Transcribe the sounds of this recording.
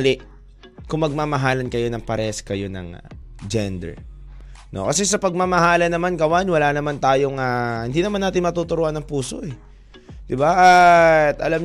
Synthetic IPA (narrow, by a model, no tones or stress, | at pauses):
lɪʔ | kʊŋmɐɡ̚maːmɐɦaːlɐnkɐjo̞nɐŋpɐɾɛskɐjo̞nɐ̰ŋ̰ | d͡ʒɛnd̪ɛ̰ɹ | no̞̰kɐsɛsɐpɐɡ̚mamɐhaːlɐnɐmankɐwanwɐlanɐmant̪aːjo̞ŋahɪnd̪iːnɐmanːaːt̪ɪnmɐt̪ut̪ʊɾoʔɐnːɐŋpuːso̞̰ʔɛ | d̪ɪbaʔat̪ʔɐlam